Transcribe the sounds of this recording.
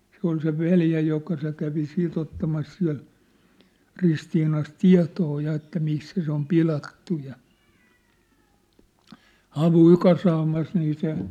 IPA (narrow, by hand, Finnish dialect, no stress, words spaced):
se ol se ʋeljæ jokɑ se kæʋi siːt otːɑmɑs siæ̝l ristiːnɑs tiɑ̝toː jɑ etːæ misːæ se om pilɑtːu jɑ hɑʋuˑĭ kɑsɑːmɑs niː se